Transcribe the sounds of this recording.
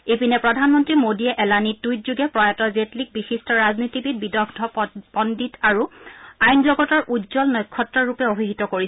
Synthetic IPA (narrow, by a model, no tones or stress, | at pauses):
epinɛpɹɔdʱanmɔntɹimodiɛʔɛlanitːujtzuɡɛpɹɔjatɔzetlik̚bixistɔɹaznitibit̚bidɔɡdʱɔpɔnditaɹuajnzɔɡɔtɔɹʔudzɔlnɔjkʰːɔtːɹɔɹupɛobʱiɦitɔkoɹi